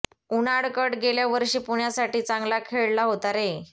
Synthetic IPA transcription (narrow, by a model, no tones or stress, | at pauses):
unaɽkəʈɡeljaʋəɾɕiːpuɳjasaʈiːt͡sãŋɡlakʰeɭlaɦot̪aɾe